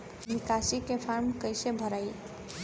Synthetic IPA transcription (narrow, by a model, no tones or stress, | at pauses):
mikasikepʰaɾmkəjsebʱəɾaj